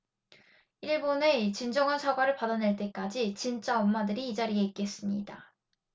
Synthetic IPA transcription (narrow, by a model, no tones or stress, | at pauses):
iɭbone̞t͡ɕind͡ʑʌŋansʰaɡwaɾɯɭpadane̞ɭt͈e̞k͈ad͡ʑit͡ɕint͡ɕ͈aʌmːadɯɾiːd͡ʑaɾieik͈e̞s͈ɯmɲḭda